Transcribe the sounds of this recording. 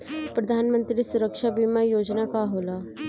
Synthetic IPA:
pɾəd̪ʱaːnmə̃nt̪ɾisʊɾəkʃabimajoːd͡ʒnakaɦoːlaː

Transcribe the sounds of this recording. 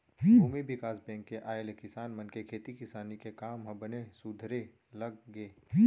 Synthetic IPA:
ɦuːmibɪkaːsbɛ̃ːŋkːeʔaːelkɪsaːnmɐnkekʰeːt̪ikɪsaːnikekaːmɦɐ̃bənesʊd̪ʱɾe | lɐɡ̚ɡeː

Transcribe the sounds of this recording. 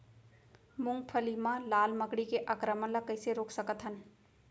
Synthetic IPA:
mʊ̃ŋɡ̚pʰəlimãlaːlməkɽikeʔaːkɾəməɳləkəɪseɾoːksəkət̪ɦən

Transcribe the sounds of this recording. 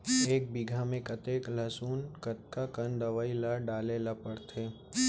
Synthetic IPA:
eːk̚biɡʱamẽkɐt̪eːklɐsuːnkɐt̪kakɐnd̪ɐʋaːilaɖaːlelapəɽt̪ʰeː

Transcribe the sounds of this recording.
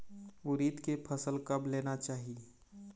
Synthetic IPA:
ʊɾiːt̪kepʰəsəlkɐbleːnat͡ʃaːɦie

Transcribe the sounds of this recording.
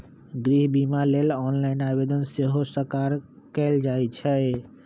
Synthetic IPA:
ɡɾiɦbimalelɔnlainabed̪ənseɦosəkaɾ | kɛld͡ʒajt͡ʃʰɛ

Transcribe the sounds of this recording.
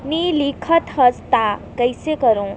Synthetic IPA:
nilikʰət̪ɦɐst̪akɐjsekɐɾõ

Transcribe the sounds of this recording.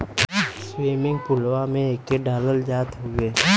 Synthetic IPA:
swiːmɪ̃ŋɡpʊlwamẽeːk̪̚eɖaːləld͡ʒaːt̪ɦʊɡeː

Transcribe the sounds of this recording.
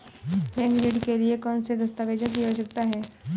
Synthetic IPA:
pɛ̃ːŋɡɾiɖkeliekɔːnsed̪ɐst̪aʋeːd͡ʒõkiɦosɐk̚t̪aɦɛː

